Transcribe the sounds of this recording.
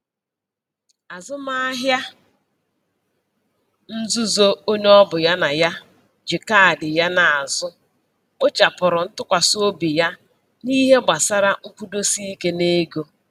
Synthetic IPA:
a˨zʊ˦ma˦a˦ɦja˦ | n̩˦zu˦zo˦o˦n˦ɔ˦bʊ˨ja˦na˨ja˦ | d͡ʒɪ˨ka˦a˨dɪ˨ja˦na˨a˨zʊ˦ | o˦t͡ʃa˨pʊ˨ɾʊ˨n̩˦tʊ˦kʷa˨so˦bi˨ja˦ | ni˦ɦe˦ɡ͡ba˨sa˦ɾa˦ŋ̩˦kʷu˦do˦si˦i˦ke˦ne˦ɡo˦

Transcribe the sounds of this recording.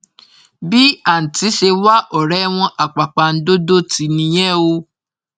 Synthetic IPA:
bi˦a˦˨n̩˨ti˨˦ʃe˧wa˦ʔɔ˨ɾɛ˨˦w̃ɔ̃˧ʔa˨k͡pa˨k͡pa˨n̩˦do˦do˦ti˨˦nĩ˧j̃ɛ̃˦o˧

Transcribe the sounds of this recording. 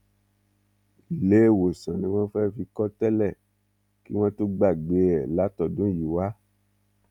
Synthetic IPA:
le˦˨wo˨sã˨nĩ˧˦wɔ̃˦fɛ˦fi˧˦kɔ˦tɛ˦lɛ˦˨ | ki˦w̃ɔ̃˦to˦ɡ͡ba˦˨ɡ͡be˨ɛ˨la˨˦tɔ˨dũ˨˦ji˨wa˦

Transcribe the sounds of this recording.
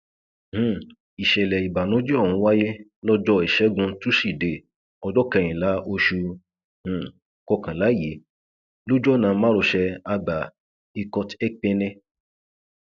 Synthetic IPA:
hũ˨ | i˨ʃɛ˨lɛ˨i˨ba˨nũ˨˦d͡ʒɛ˦ɔ˦˨hũ˨˦wa˦je˦lɔ˦d͡ʒɔ˦i˨ʃɛ˨˦ɡũ˧tu˦ʃi˦˨de˨ | ɔ˧d͡ʒɔ˦kɛ˧j̃ĩ˨la˨˦o˧ʃu˧ | hũ˨ | kɔ˧kã˨la˨˦je˨˦ | lo˦d͡ʒɔ˦nã˧mã˦ɾo˧ʃɛ˧a˧ɡ͡ba˨ | i˧kɔ˧tɛ˦k͡pɛ˧nɛ̃˧

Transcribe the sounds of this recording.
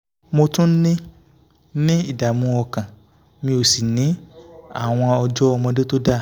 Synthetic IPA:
mo˧tũ˦n̩˦nĩ˦ | nĩ˦i˦˨da˨mũ˧ɔ˧kã˨ | mĩ˧o˨si˨nĩ˨˦a̰˦˨w̃ɔ̃˧ɔ˧d͡ʒɔ˦ɔ˧mɔ̃˧de˦to˦da˦˨

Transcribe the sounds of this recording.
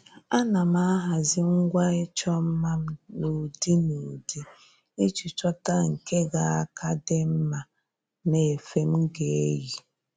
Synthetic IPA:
a˦na˨ma˦a˦ɦa˨zɪ˦ŋ̩˦ɡʷa˦e˦t͡ʃɔ˦m̩˦ma˦m̩˦no˨di˦no˨di˦ | e˦t͡ʃi˨t͡ʃɔ˦ta˦ŋ̩˨ke˦ɡa˨a˦kʰa˦dɪ˦m̩˦ma˨ | ne˨fe˦m̩˦ɡe˨e˦ji˨

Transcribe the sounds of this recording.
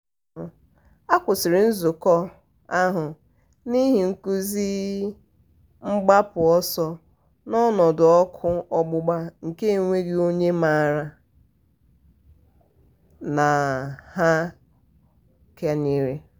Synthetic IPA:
a˦kʷʊ˨sɪ˨ɾɪ˨n̩˦zʊ˨kɔ˦ | a˦ɦʊ˨ | ni˦ɦi˨ŋ̩˨ku˦zi˦ | ŋ͡m̩˦ɡ͡ba˦pʊ˨ɔ˦sɔ˦ | nɔ˦nɔ˨dʊ˨ɔ˦kʰʊ˦ɔ˦ɡ͡bʊ˦ɡ͡ba˦ŋ̩˨ke˦ŋʷe˦ɡi˦o˦ɲe˦ma˨ɾa˦ | na˨ha˦ | ke˦ni˦ɾe˦

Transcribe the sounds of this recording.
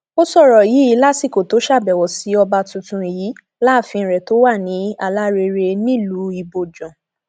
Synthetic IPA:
o˦sɔ˦˨ɾɔ˨ji˨˦ji˨˦la˦si˦˨ko˨to˨˦ʃa˦˨bɛ˨wɔ˨si˨˦ɔ˧ba˧tũ˨˧tũ˧i˨ji˨˦ | la˦˨fĩ˧˨ɾɛ˨to˨˦wa˦˨nĩ˨˦a˧la˦ɾe˧ɾe˧nĩ˦lu˨˦i˧bo˧d͡ʒɔ̃˨

